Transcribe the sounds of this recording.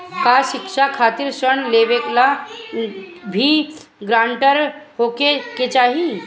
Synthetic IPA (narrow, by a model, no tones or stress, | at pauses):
kaʃɪkʃakʰaːt̪iɾʃəɳ̃leːʋekla | bʱi | ɡɾãːɳʈəɾɦoːkeket͡ʃaːɦi